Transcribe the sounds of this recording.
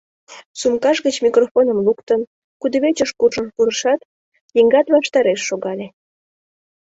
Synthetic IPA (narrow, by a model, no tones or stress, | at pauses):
sumkɑʃɣət͡ɕmikrofonəmlukt̪ən | kud̪ə̆βet͡ɕəʃkurʒənpuɾəʃɑt̪ | jiŋɡɑt̪βɑʃt̪ɑɾeʃːoɣɑlʲe